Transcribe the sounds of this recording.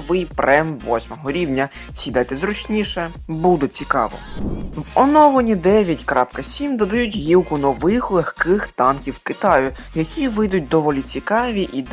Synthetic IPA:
ʋɪjpɾʔɛmʋɔsʲmɔɦɔɾʲiwnʲɐ | sʲid̪ɛt̪ɛzrɔt͡ʃnʲiʃɛ | bud̪et͡sʲikɑ̰ʋɔ̰ʋɔnɔʋɔnʲid̪ɛʋʲjɐtʲkɾɑpkɐsʲimd̪ɔd̪ɐjutʲɦʲiwkʊnɔʋɪxlˠɪxkɪxt̪ɑnkʲiwkɪt̪ɑjʊ | jɐkʲiʋɪjd̪ʊt̚ʲd̪ɔʋɔlʲit͡sʲikɑʋʲiʔid̪

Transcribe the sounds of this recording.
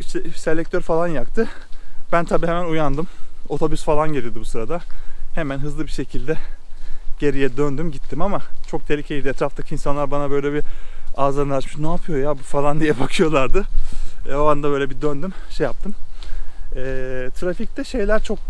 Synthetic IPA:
iʃt̪ɛse̞lʲɛc̚t̪ʰøɾfalˠanjakt̪ʰɯbænt̪ʰabiːhemænujand̪ɯmo̞t̪ʰo̞bysfalˠanɟelʲijod̪ibusɯɾad̪ahe̞mænɦɯzlˠɯbiʃe̞cʰilʲd̪ɛ | ɟ̥e̞ɾijɛd̪ønd̪ymɟit̪ʰːimamat͡ʃʰo̞k̚t̪ʰe̞lʲicʰeilʲd̪iɛt̪ɾaft̪ʰacʰiːnsanlˠaɾbanabø̞jlʲɛbiaːzaɾnlˠaʃmɯʃnaaːpʰɯjo̞jabufalˠand̪ijɛbakʰɯjo̞lˠaɾd̪ɯ | oand̪abø̞jlʲɛbid̪ønd̪ymʃejap̚t̪ʰɯm | ɛːt̪ʰɾafic̚t̪ɛʃe̞jlʲæɾt͡ʃʰo̞k̚

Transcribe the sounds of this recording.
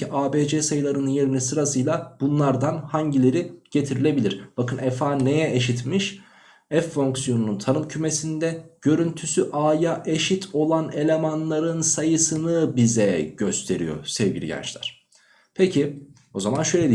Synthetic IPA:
iʔaːbeːd͡ʒɛsajɯlˠaɾɯnɯnje̞ɾinisɯɾasɯjlˠab̥unlˠaɾd̪anhaɲɟilʲe̞ɾiɟ̥e̞t̪ʰiɾilʲe̞bilʲiɾ̥b̥akɯnɛfaːne̞jɛʔeʃit̪miʃ | ɛfːo̞ŋksijo̞nununt̪ʰanɯmcʰyme̞sind̪ɛɟ̥ø̞ɾynt̪ʰysyʔaːjaʔe̞ʃit̪ʰo̞lˠane̞lʲe̞manlˠaɾɯnsajɯsɯnɯbizɛɟø̞st̪ʰe̞ɾḭjo̞̰sɛvɟilʲḭɟæ̰nt͡ʃlʲæ̰ɾ̥ | pʰecʰi | o̞zamanʃø̞jlʲe

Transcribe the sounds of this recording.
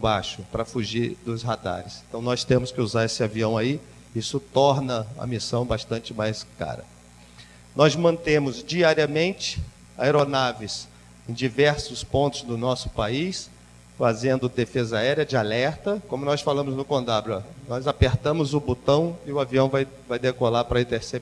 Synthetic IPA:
baʃʊpɾɐfuʒiɾd̪ʊsɦad̪a̰ɾɪsẽnt̪ɐ̃w̃nɔst̪ẽmʊskɪuzaɾesɪaviɐ̃w̃ai | isʊt̪ɔɾnɐɐ̰misɐ̃w̃baʃt̪ɐ̃nt͡ʃɪmajska̰ɾɐ̰ | nɔzmɐ̃nt̪ẽmʊzd͡ʒiaɾiɐmẽnt͡ʃɪ̥ | a̰eɾonavis | ẽj̃d͡ʒivɛɾsʊspõnt̪ʊzd̪ʊnɔsʊ̥pais | fazẽnd̪ʊd̪efezɐaɛɾiɐd͡ʒɪalɛɾt̪ɐkõmʊnɔsfalɐ̃mʊznʊkõnd̪abɾʊɔnɔjzapeɾt̪ɐ̃mʊzʊbut̪ɐ̃w̃ɪʊaviɐ̃w̃vaj | vajd̪ekolapɾɐĩt̪eɾseb

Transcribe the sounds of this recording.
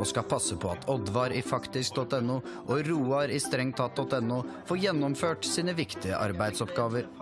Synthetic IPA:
ɔskɑpʰɑsːəpʰɔɑt̪ʰɔd̪ʋɑɾɪfɑkt̪ɪsk̚d̪ɔt̪ɛnːʊːʔɔɾuːɑɾɪst̪ɾɛŋt̪ʰɑːt̪̚d̪ɔt̪ɛnːuːfoːɾjɛnːɔmføːʈsiːnəʋɪkt̪ɪə̰ʔɑ̰ɾbæɪd̪sɔpɡɑːʋəɾ

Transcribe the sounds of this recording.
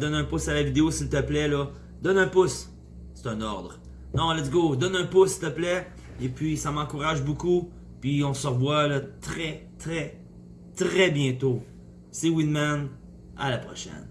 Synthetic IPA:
d̪ɔnɛ̃pʊsalavid̪eosilt̪əplɛlɔ | d̪ɔnœ̃pʊs | se̥t̪ɛ̃ːnɔʁd̪ʁ | nɔ̃lɛd̪iɡod̪ɔnœ̃ːpʊsːilt̪əplɛ | epɥisamɑ̃kuʁaʒbuku | pɥiɔ̃səʁəvwalɔt̪χɛt̪ʁɛ | t̪ʁɛbjɛ̃t̪o | sewinman | a̰lapχɔʃɛ̰n

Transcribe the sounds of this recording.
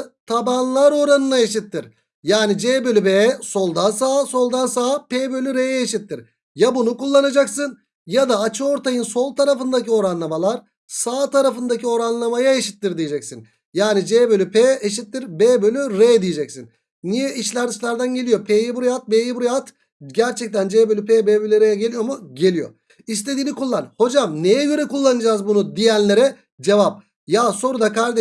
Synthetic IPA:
t̪ʰabanlˠaɾo̞ɾanɯnaeʃit̪ʰːiɾ | jaːnid͡ʒeːbølʲybeːso̞lˠd̪ansaːso̞lˠd̪ansaːpeːbø̞lʲyɾejɛeʃit̪ːiɾ̥ | jabunukulˠːanad͡ʒaksɯn | jad̪aːt͡ʃʰɯo̞ɾt̪ʰajɯnso̞lˠt̪ʰaɾafɯnd̪acio̞ɾanlˠamalˠaɾ | saːt̪aɾafɯnd̪acio̞ɾanlˠamajaeʃi̥t̪ːiɾd̪ijed͡ʒɛcsin | jaːnid͡ʒeːbølʲypʰeːeʃ̬it̪ːiɾbebølʲyɾejd̪ijed͡ʒɛcsin | nijɛʔiʃlʲæɾd̪iʃlʲæɾd̪ænɟe̞lʲijopʰejibuɾjat̪̚beːjibuɾjat̪ | ɟæɾt͡ʃʰɛc̚t̪ʰænd͡ʒeːbølʲypeːbeːbølʲyɾejɛɟe̞lʲijo̞muɟe̞lʲijo̞̰ | is̬t̪ʰe̞d̪iːnikulˠːanho̞d͡ʒamnejɛɟø̞ɾɛkulˠːanɯd͡ʒaːzbunud̪ijænlʲe̞ɾɛ | d͡ʒe̞vap̚ | jaso̞ɾud̪akaɾd̪e

